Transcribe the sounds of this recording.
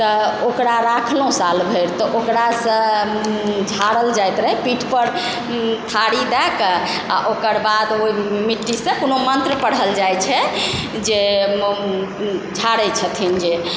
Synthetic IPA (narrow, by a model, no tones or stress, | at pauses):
t̪ɔokɾaɾakʰlõsalbʱəjɾt̪ɔʔokɾasə̃ | d͡ʒʱaɾəld͡ʒajt̪ɾəɦɛpiʈʰpəɾ | t̪ʰaɽid̪ɛkə | a̰ʔokəɾbad̪oimiʈːisẽkonomənt̪ɾəpəɽəld͡ʒajt͡ʃʰɛ | d͡ʒe | d͡ʒʱaɽɛt͡ʃʰət̪ʰind͡ʒe